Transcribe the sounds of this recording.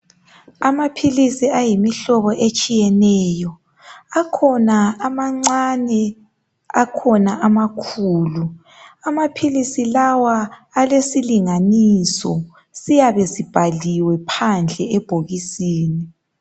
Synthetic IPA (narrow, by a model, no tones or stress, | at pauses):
amapʰilisiajimiɬɔβɔʔet͡ʃʼijɛnɛːjɔ | akʰɔnaːmaŋ͡ǀanɛ | akʰɔnaʔamakʰuːlu | amapʰilisilawaː | lesiliŋanisɔ̰ | sijaβɛsib̥ʱaliwɛpʰand͡ɮʱɛɛb̥ʱoɣisiːni